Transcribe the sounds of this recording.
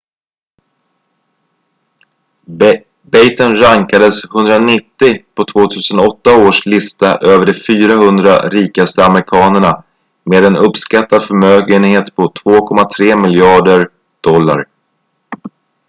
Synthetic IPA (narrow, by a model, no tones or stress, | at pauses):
bɛjt̪ənɾaŋkad̪əshɵnd̪ɾanɪt̪ːɪpʰɔt̪ʰvoːt̪ʰʉ̟ːsənɔt̪ːaoːʂlɪst̪aʔøːvəɖɛfyːɾahɵnd̪ɾa̰ɾiːkast̪əaməɾɪkʰɑːnəɳa | meːd̪ɛnɵpskat̪ːad̪fœɾmøːɡənheːt̪pʰɔt̪ʰvoːkʰɔmat̪ʰɾeːmɪljɑːɖəɾ | ɖ̪̥ɔlːa̰ɾ